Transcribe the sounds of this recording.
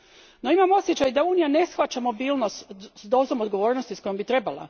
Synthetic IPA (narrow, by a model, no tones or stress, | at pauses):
no̞imamo̞sjet͡ɕajd̪auːnijane̞sxʋat͡ʃamo̞biːlˠnost̪d̪o̞zomo̞d̪ɡoʋo̞ːɾnost̪isko̞jo̞mbit̪ɾe̞balˠa̰